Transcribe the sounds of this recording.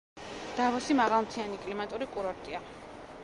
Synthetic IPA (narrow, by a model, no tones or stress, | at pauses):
d̪̥avɔsimaʁalˠmt̪ʰianikʼlimat̪ʼuɾikʼuɾɔɾt̪ʼia